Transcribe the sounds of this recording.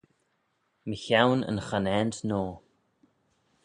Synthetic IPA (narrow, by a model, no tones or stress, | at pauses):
məçawnə̰nxanɛnt̪noː